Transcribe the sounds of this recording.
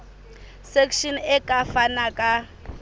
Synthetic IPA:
sekʰʃinɛkʼafanakʼa

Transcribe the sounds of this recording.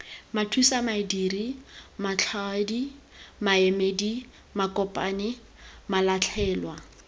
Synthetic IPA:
matʰusamaidiːrimat͡ɬʰadi | maemeːdi | makʼɔpʼa̰ːnɪ | malat͡ɬʰɛːlwa

